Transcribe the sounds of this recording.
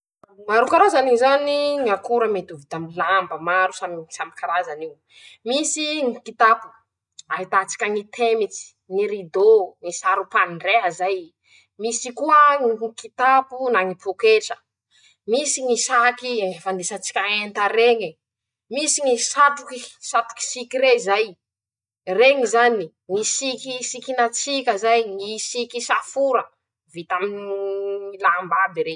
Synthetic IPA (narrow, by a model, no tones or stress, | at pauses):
maɾukaɾazanizaniŋakuɾəmet̪uvit̪aminlambəmaɾusamisamikaɾazaniw | misiŋikit̪apu̥ | aɦit̪at͡si̥kʲaŋit̪ʰemit͡si̥ | ŋiɾid̪oŋisaɾupanɳɖ͡ʐeɦəzaj | misikuəŋŋikit̪apunaŋipokeʈ͡ʂə̥ | misiŋisakifand̪esət͡si̥kʲaent̪aɾeŋi | misiŋisat̪ukisat̪u̥ki̥sikiɾezaj | reŋizani | ŋisikisikinat͡sikʲəzajŋisikisafuɾə | vit̪aminiiilambabiɾe